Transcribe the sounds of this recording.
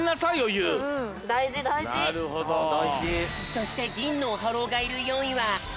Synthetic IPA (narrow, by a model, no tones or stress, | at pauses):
nasaijojɯ̃ː | d̪aiʑid̪aiiaɾɯ̟ɦod̪od̪aiʑid͡ʑit̪oɕi̥t̪e̞ɡʲĩnːoːɦaɾo̞ːɡaiɾɯ̟jo̞ːɲ̟iβa